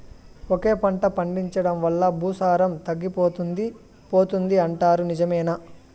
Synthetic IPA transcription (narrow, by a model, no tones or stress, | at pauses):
oke̞ːpɐɳʈɐpɐɳɖiɲt͡ʃɐɽɐmʋɐlːɐbʱuːsaːɾɐmt̪ɐɡːipoːt̪u | po̞ːt̪und̪iɐɳʈaːɾunid͡ʒɐmɛːna